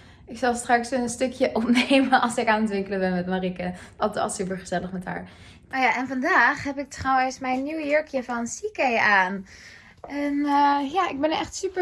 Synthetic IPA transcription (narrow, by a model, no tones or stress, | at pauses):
ɪksɑlˠstrɑksənənstøkʰjəʔɔpnejmənʔɑlˠsɪkaːnətʋɪŋkələbɛnmɛtmarikəɑtɑ̰lˠsypəɹχəz̥ɛləχmɛtɦa̰ːɹ | majaʔɛnvɑndaːχɦɛpɪk̚trɔwəsmɛjnːywjøɹkʰjəvɑnsikejaːn | ɛnjaːʔɪɡ̚bɛnəɛχtsypə